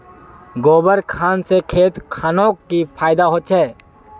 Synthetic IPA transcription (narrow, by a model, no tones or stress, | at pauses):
ɡoːbəɾkʰaːnsekʰeːt̪kʰaːnõːkipʰaːɪd̪aɦoːt͡ʃʰɦɛː